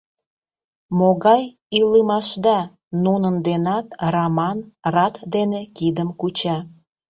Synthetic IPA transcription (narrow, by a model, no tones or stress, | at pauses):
moɣɑj | iləmɑʃd̪ɑ | nunənd̪enɑt̪rɑmɑnrɑt̪d̪enekid̪əmkut͡ɕɑ